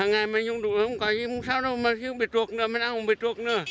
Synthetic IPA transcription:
aː˨˩ŋa˨˩jma˨˩ɲzʊ˧˩˨ŋ͡mɗṵ˧˨hwŋ͡mkɔ˨˩˦i˧ŋ͡msaː˧wɗə˧wmaː˨˩xi˧˦ɓi˨˩t̚tu˨˩ək̚nɨ̰˧əma˨˩nʔaː˧˩hʊ˨˧˩ŋ͡mɓi˨˩t̪̚tu˨˩ək̚nɨ̰˧˩ə

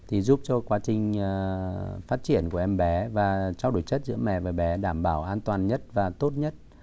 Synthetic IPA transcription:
t̪ʰi˨˩zu˦˥p̚t͡ɕɔ˧kwaː˨˦t͡ɕï˨˩ŋ̟˨faː˦˥t̚t͡ɕi˧˩ənku˧˩əʔɛ˧mɓɛ˨˦vaː˨˩t͡ɕa˧wɗu˧˩jt͡ɕə˦˥t̚zɨ̰˧˥əmɛ̰˧˨vaː˨˩ɓɛ˨˦ɗaː˧˩mɓaː˧˩wʔaː˧nt̪waː˨˩nɲə˦˥t̚vaː˨˩t̪o˦˥t̚ɲə˦˥t̚

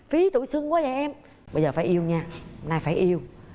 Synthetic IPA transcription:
fi˨˦t̪ṵ˧˨jsɨ˧əŋkwaː˨˦zaː˨˩jʔɛ˧m | ɓə˧jzəː˨˩faː˧˩jʔi˧əwɲaː˧naː˧jfaː˧˩jʔi˧əw

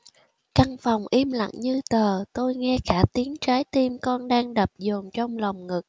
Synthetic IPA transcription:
ka˧nfa˨˩wŋ͡mʔi˧mla̰˧˨ŋɲɨ˧t̪əː˨˩t̪o˧jŋɛ˧kaː˧˩t̪i˨˦əŋt͡ɕaː˨˦jt̪i˧mkɔ˧nɗaː˧ŋɗə˨˩p̚zo˨˩mt͡ɕɔ˧wŋ͡mla˨˩wŋ͡mŋɨ˨˩k̚

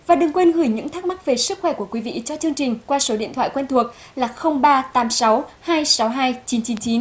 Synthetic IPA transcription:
vaː˨˩ɗɨ˨˩ŋkwe˧nɣɨ˧˩jɲɨ̰˧˥ŋt̪ʰa˦˥k̚ma˦˥k̚ve˨˩sɨ˦˥k̚xwɛ˧˩ku˧˩əkwi˨˦vḭ˧˨t͡ɕɔ˧t͡ɕɨ˧əŋt͡ɕï˨˩ŋ̟kwaː˧so˨˦ɗḭ˧ənt̪ʰwa̰ː˧˨jkwɛ˧nt̪ʰu˨˩ək̚ | laː˨˩xə˧wŋ͡mɓaː˧t̪aː˨˦msa˨˦whaː˧jsa˨˦wɦaː˧jt͡ɕi˨˦nt͡ɕi˨˦nt͡ɕi˨˦n

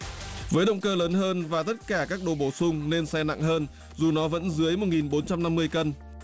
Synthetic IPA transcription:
vəː˨˦jɗə̰˧˨wŋ͡mkəː˧ləː˨˦nɦəː˧nvaː˨˩t̪ə˦˥t̚kaː˧˩kaː˦˥k̚ɗo˨˩ɓo˧˩sʊ˧ŋ͡mne˧nsɛ˧na̰˧˨ŋɦəː˧n | zu˨˩nɔ˨˦və̰˧˥nzɨ˨˦əjmo˨˩t̚ŋi˨˩nɓo˨˦nt͡ɕa˧mna˧mːɨ˧əjkə˧n

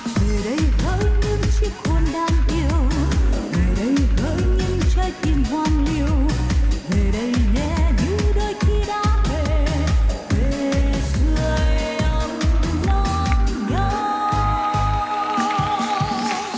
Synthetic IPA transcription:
ve˨˩ɗə˨˦jɣəː˨˦jɲɨ˧ŋt͡ɕi˦˥p̚xo˧nɗaː˧mʔi˧əəwve˨˩ɗə˨˦jɣəː˨˦jɲɨ˧ŋt͡ɕə˧jt̪i˧˩nkwaː˧nli˧əwve˨˩ɗə˧˦jɲɛ˧˥ɲɨ˧˦ɗəː˧jxi˧ɗaː˧˦ve˨˩ | ve˨˩zɨ˧əjə˧mnɔ˧nɲə˧

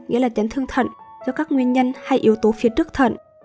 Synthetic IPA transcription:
ŋḭ˧˥laː˨˩t͡ɕa˨˦jŋ̟t̪ʰɨ˧əŋt̪ʰə̰˧˨nzɔ˧kaː˦˥k̚ŋwi˧ənɲə˧nha˧jʔi˨˦əwt̪o˨˦fi˨˦ət͡ɕɨ˦˥k̚t̪ʰə̰˧˨nʔ

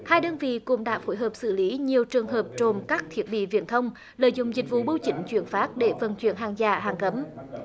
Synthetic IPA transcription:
haː˧jɗəː˧nvḭ˧˨kʊ̰˧˥ŋ͡mɗa̰ː˧˥fo˧˦jɦəː˨˩p̚sɨ̰˧˩li˨˦ɲi˨˩əwt͡ɕɨ˨˩əŋɦəː˨˩p̚t͡ɕo˨˩mkaː˦˥k̚t̪ʰi˦˥ət̚ɓḭ˧˨vḭ˧˨ənt̪ʰə˧wŋ͡m | ləː˨jzʊ̰˧˨ŋ͡mzï˨˩k̟̚vṵ˧˨ɓə˧wt͡ɕï˨˩ŋ̟t͡ɕwi˧˩ənfaː˦˥t̚ɗe˧˩və˨˩nt͡ɕwḭ˧˩ənɦaː˨˩ŋzaː˧˩ɦaː˨˩ŋkə˨˦m

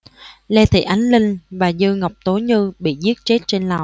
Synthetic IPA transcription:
lɛ˧t̪ʰḭ˧˨˩ʔa˨˦jŋ̟lï˧ŋ̟vaː˨˩zɨ˧ŋə˨˩wk͡p̚t̪o˨˦ɲɨ˧ɓḭ˧˨zi˦˥ət̚t͡ɕe˦˥t̚t͡ɕe˧nlaː˨˩w

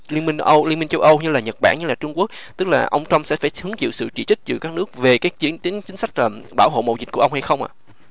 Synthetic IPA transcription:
li˧ənmi˧ŋʔə˧wli˧ənmi˧ŋ̟t͡ɕə˧wʔə˧wɲɨ˧laː˨˩ɲə˨˩t̚ɓa̰ː˧˩nɲɨ˧laː˨˩t͡ɕʊ˧ŋ͡mku˦˥ək̚ | t̪ɨ˦˥k̚laː˨˩ʔə˧wŋ͡mt͡ɕa˧wmsɛ̰˧˥faː˧˩jʰɨ˨˦əŋt͡ɕḭ˧˨wsɨ̰˧˨t͡ɕḭ˧˩t͡ɕï˦˥k̟̚t͡ɕɨ˧˩kaː˦˥k̚nɨ˦˥ək̚ve˨˩kaː˨˦t͡ɕt͡ɕi˨˦t͡ɕï˨˦ŋ̟sa˦˥k̚əː˨˩ɓaː˧˩wɦo̰˧˨mo̰˧˨wzi˨˩k̟̚ku˧˩əʔŋ͡mha˧jxə˧wŋ͡mʔa̰ː˧˨

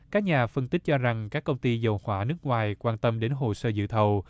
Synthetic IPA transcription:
kaː˦˥k̚ɲaː˨˩fə˧nt̪ï˦˥k̟̚t͡ɕɔ˧za˨˩ŋkaː˦˥kːə˧wŋ͡mt̪i˧zə˨˩whwaː˧˩nɨ˦˥ək̚ŋwaː˨˩jkwaː˧nt̪ə˧mɗe˨˦nɦo̰˧˨səː˧zɨ̰˧˨t̪ʰə˨˩w

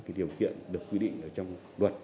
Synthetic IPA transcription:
kaː˨˦jɗi˨˩əwkḭ˧˨ənɗɨ˨˩əkːwi˧ɗḭ̈˧˨ŋ̟ʔəː˧˩t͡ɕɔ˧wŋ͡m | lwə˨˩t̚

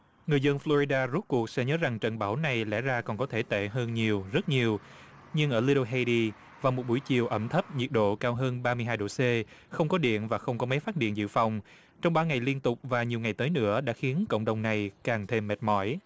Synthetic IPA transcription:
ŋɨ˨˩əjzə˧nflo˧ɹi˧ɗaː˧zu˦˥t̚ku˨˩ək̚sɛ̰˧˥ɲəː˨˦za˨˩ŋt͡ɕə̰˧˨nɓaː˧˩wna˨˩jlɛ̰˧˥zaː˧kɔ˨˩nkɔ˨˦t̪ʰe˧˩t̪ḛ˧˨ɦəː˧nɲi˨˩əwzə˦˥t̚ɲi˨˩əw | ɲɨ˧ŋʔəː˧˩li˧o˧ɦa˧ɗi˧ | vaː˨˩mo˨˩t̚ɓu˧˩əjt͡ɕḭ˨˩əwʔə˧˩mt̪ʰə˦˥p̚ɲi˨˩ət̚ɗo̰˧˨kaː˧wɦəː˧nɓaː˧mɨ˧əɦaː˧jɗo̰˧˨se˧ | xə˧wŋ͡mkɔ˨˦ɗḭ˧˨ənvaː˨˩xə˧wŋ͡mkɔ˨˦ma˨˦jfaː˦˥t̚ɗḭ˧˨ənzɨ̰˧˨fa˨˩wŋ͡m | t͡ɕɔ˧wŋ͡mɓaː˧ŋa˨˩jli˧nt̪ʊ˨˩k͡p̚vaː˨˩ɲi˨˩əwŋa˨˩jt̪əː˨˦jnɨ̰˧˥əɗa̰ː˧˥xi˨˦ənkə̰˧˨wŋ͡mɗə˨˩wŋ͡mna˨˩jkaː˨˩ŋt̪ʰe˧mːɛ˨˩t̚mɔ˧˩j

